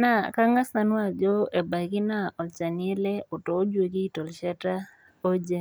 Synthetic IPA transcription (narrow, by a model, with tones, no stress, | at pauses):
na˦˨ka˦ŋa˦sa˦nwa˨d͡ʒɔ˦e˨ba˨ɡɪ˦na˦˨ʔɔ˨lt͡ʃa˨nɪ˦e˦lɛ˦ɔ˨tɔ˨˦d͡ʒwe˨ɡi˦tɔ˨lʃa˦ta˦ | o˦d͡ʒe˦